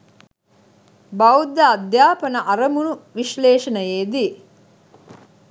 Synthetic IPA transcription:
bɐud̪ɐɐd̪jaːpɐnɐʔɐɾɐmunuʋiʃleːʃɐnɐjeːd̪i

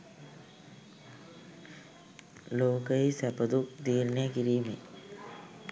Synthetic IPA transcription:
loːkɐisɐpɐd̪ukd̪iːɾnekiɾiːmḭ

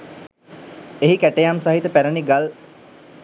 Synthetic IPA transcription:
eɦikæʈejamsaɦit̪əpæɾəniɡal

